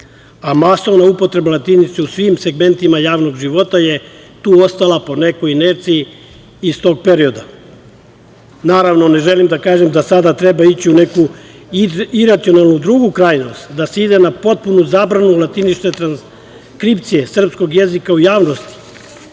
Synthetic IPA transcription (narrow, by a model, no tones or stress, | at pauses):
amaso̞ʋnaupo̞t̪ɾe̞balat̪init̪seusʋimse̞ɡme̞nt̪imajaːʋno̞ɡʒiʋo̞t̪aje̞ | t̪uːo̞st̪alapo̞ne̞kojineɾt̪sijiː | st̪o̞ːɡ̚pe̞ɾio̞d̪a | naːɾaʋnone̞ʒelimd̪akaːʒemd̪asad̪at̪ɾe̞bait͡ɕiune̞ku | iɾat̪sio̞nalˠnud̪ɾuɡukɾaːjnost̪d̪aseid̪e̞napo̞t̪̚punuzaːbɾanulˠat̪init͡ʃt̪e̞t̪ɾans | kɾipt̪sije̞sr̩psko̞ɡje̞zikaujaːʋnost̪i̥